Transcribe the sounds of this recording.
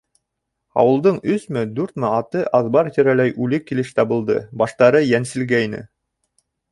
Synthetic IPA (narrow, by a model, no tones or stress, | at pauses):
ɑ̰wɤ̆lˠd̪ɤɴɵsmɘd̪ʉɾt̪mɘɑt̪ɤʔɑðbɑɾt̪ɘ̆ɾælæjʔʉlɘkːilɘʃt̪ɑβɤ̆lˠd̪ɤ̰bɑʃt̪ɑɾɤjænsɘ̆lɡæjnɘ̰